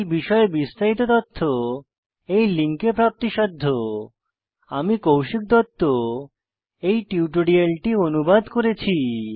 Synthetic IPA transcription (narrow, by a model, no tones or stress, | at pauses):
biʃɔebist̪aɦit̪ot̪ɔt̪ʰːo | ejliŋkepɾap̚t̪iʃɔd̪ʱːo | amikowʃik̚d̪ɔt̪ːo | ejʈiuʈoɖialʈionubad̪koɾet͡ɕʰi